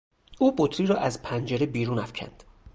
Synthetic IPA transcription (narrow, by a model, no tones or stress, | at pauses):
ʔuːbot̪ʰɾiːɾɒːʔæzpʰænd͡ʒeɾebiːɾuːnæfcʰæ̰nd̪̥